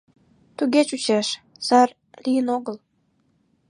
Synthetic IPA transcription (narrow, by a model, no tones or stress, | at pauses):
t̪uɣet͡ɕut͡ɕeʃ | z̥ɑr | lijənoɣəl